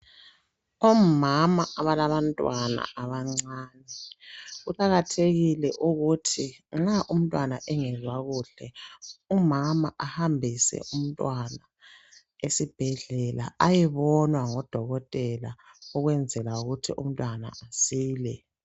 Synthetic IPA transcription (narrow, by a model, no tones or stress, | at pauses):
ɔmamaaβalaβantʼwana̰ʔaβaŋ͡ǀaːnɛɣuǃʼaɣatʰeɣilɛʔuɣutʰiŋ͡ǁaʔum̩tʼwanaʔɛŋɛzwaɣuɬɛumamaʔahambʱisɛ̰ʔum̩tʼwana | esib̥ʱɛɮɛla̰ʔajɛβɔnwaŋɔd̥ʱɔɣɔtʼɛla | ɔɣwɛnd͡zʱɛlauɣutʰiʔṵm̩tʼwana̰asiːlɛ